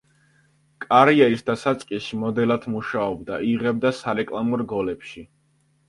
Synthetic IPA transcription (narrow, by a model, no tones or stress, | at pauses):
kʼaɾiɛɾisd̪asat̪sʼqʼiʃimɔd̪ɛlad̪ʰmuʃaɔbd̪aiʁɛb̚d̪asaɾɛkʼlˠamɔɾɡɔlɛpʃi